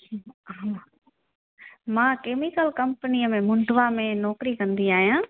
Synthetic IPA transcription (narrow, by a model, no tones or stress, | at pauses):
mãːkeːmɪkəlkɐ̃mpəniəmẽmʊ̃ɳɖʱʋamẽnɔːkɾikɐ̃nd̪iaːɦijãː